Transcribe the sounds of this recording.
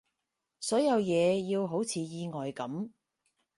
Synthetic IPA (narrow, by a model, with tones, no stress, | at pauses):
sɔː˨˥jɐ˨˧wjɛː˨˧jiː˧wɦo˨˥wt͡sʰiː˨˧jiː˧ŋɔː˨jkɐ˨˥m